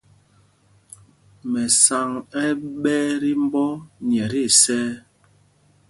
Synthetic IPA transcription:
mɛ˨sa˨ŋɛ˦ɓɛː˦ɾi˦m˦bɔ˦ɲ˨ɛ˨ɾi˦˨sɛː˦

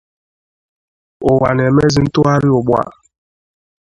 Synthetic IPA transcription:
ʊ˨wa˨n˨e˨me˦zi˨n̩˦tʊ˦a˦ɾɪ˦ʊ˨ɡ͡bʷa̰˨

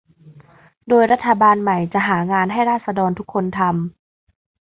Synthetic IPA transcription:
doː˧jɾa˦˥t̪ʰːa˧baː˧nma˨˩jt͡ɕa˨˩ʔɦaː˩˦ŋaː˧nɦa˥˩jɾaː˥˩t̪̚sa˧dɔː˧nt̪ʰu˦˥kʰːo˧nt̪ʰa˧m

